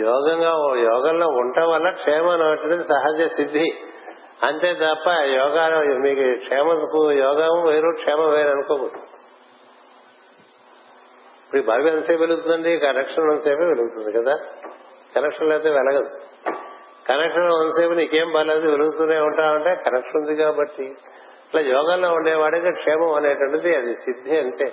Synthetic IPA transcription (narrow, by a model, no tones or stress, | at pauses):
jɔːɡɐŋɡaːojɔːɡɐlnouɳʈɐʋɐlːɐkʂeːmanɐɐʈːiɽɐd̪isɐɦɐd͡ʒjɐsid̪ʱːi | ɐnt̪eːt̪ɐpːɐjɔːɡaːmiːkukʂeːmɐkujɔːɡaːmɐʋɐjɾoːkʂɛːmɐʋeːɾɐnukoːbot̪u | pɐɾibʱaːɾʋiɐnseːʋeluɡut̪und̪ɐɳɖikɐnekʂɐnʋɐnseːpɐʋeluɡut̪und̪ikɐd̪aː | kɐnekʂɐnlɛːt̪eːʋɛlɐɡɐd̪i | kɐnekʂɐnoʋɐnseːpɐniikeːmbɐlaːd̪iʋeluɡut̪unaːuɳʈaːwɐɳʈe̞ːkɐnekʂund̪ikaːbɐʈːi | ɐʈlaːjɔːɡaːlːoːuɳɖɛːʋaːɽikikʂɛːmɐmɐneːʈɐɳʈɐd̪iɐd̪isid̪ʱːeːɐɳʈeː